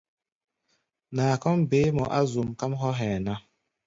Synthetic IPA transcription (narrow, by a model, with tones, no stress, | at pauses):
naː˨kɔ˦mbe˨˦mɔ˨ʔa˦zu˨mka˦mɦɔ˦ɦɛ˨na˦